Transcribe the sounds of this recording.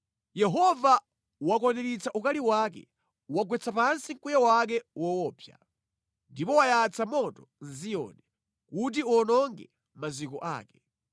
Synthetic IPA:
jɛɦɔva | wakɔnɛɾit͡saʔukaliwakɛ̰ | waɡwɛt͡sʰapansiŋ̩kujawak̬ɛwɔwɔːpʰja̰ | ndipɔwajat͡sʰamɔtɔnzijɔ̰nɛ | kut̬iɔnɔŋɡɛ̰ | mazikɔʔa̰ːkɛ̥

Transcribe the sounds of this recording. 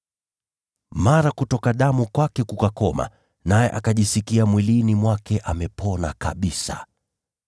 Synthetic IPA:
maɾakutɔkaɗamukwakɛkukakɔma̰ | najɛʔakaʄisikiamwilinimwakɛʔamɛpɔna̰kaɓisa

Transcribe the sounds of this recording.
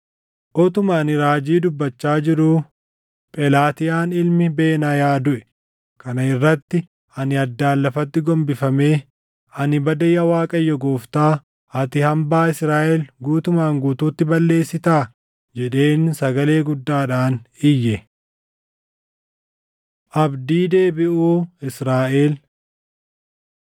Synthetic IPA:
ʔɔt̪ʊmaːnɪɾaːd͡ʒiːd̪ʊbːɐt͡ʃːaːd͡ʒɪɾuː | pʼɛlaːt̪ɪjaːnɪlmɪbe̞ːnajaːd̪ʊʔɛ | kɐnɐɪrːɐt̪ːɪ | ɐnɪɐd̪ːaːlːɐfɐt̪ːɪɡɔmbɪfɐme̞ː | ɐnɪbɐd̪ɐjɐwaːkʼɐjːɔɡoːft̪aː | ɐt̪ɪhɐmbaːɪsɾaːʔɛlɡuːt̪ʊmaːŋɡuːt̪uːt̪ːɪbɐlːe̞ːsːɪt̪aː | d͡ʒɛᶑe̞ːnsɐɡɐle̞ːɡʊd̪ːaːᶑaːnɪjːɛ | ʔɐbd̪iːd̪e̞ːbɪʔuːɪsɾaːʔeːl

